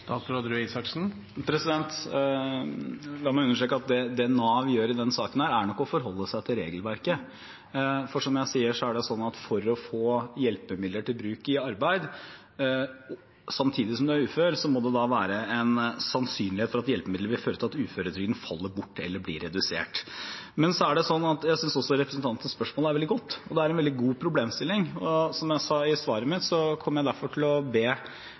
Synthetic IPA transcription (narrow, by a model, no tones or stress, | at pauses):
t̪ɑːt̪ɾɑd̪ɾʉisɑksn̩ | pʰɾɛsɪd̪ɛnt̪ | lɑːmɔʉnːəʂʈɾeːkəɑt̪̚d̪ɛd̪ɛnɑːʋjøːɾɪd̪ɛnsɑːkənhæːɾæɳɔkːɔfɔɾɦɔlːəsæɪt̪ʰɪlɾeːɡəlʋæɾkə | fɔʂɔmjæɪsiːəʂɔæɖɛsɔnːɑt̪fɔɾɔfoːjɛlpəmɪd̪əʈɪlbɾʉːkɪɑɾbæɪd̪ | sɑmt̪ʰiːd̪ɪsɔmd̪ɛæɾʉːføːɾsɔmɔd̪ɛd̪ɑʋæːɾəɛnsɑnsyːnlɪheːt̪fɔɾɑt̪jɛlpəmɪd̪ləɾʋɪlføːɾət̪ɪɑt̪ʉːføːɾəd̪ɾʏːɡənfɑlːəɾbʊʈːɛ̰lːəb̪ḭːɾːɛd̪ʉsḛːʈmɛnsɔæɖɛsɔnːɑt̪jæɪsʏnsɔsːɔɾɛpɾəsən̩t̪ʰɑnt̪ːən̩spœʂmoːləæɾʋɛld̪ɪɡɔt̪ːɔd̪ɛæɾɛnʋɛld̪ɪɡuːpʰɾʊbleːmst̪ɪlːɪŋɔsɔmjæɪsɑːɪsʋɑːɾəmɪt̪sɔkʰɔmːɾjæɪd̪æɾfɔʈʰɪlɔbeː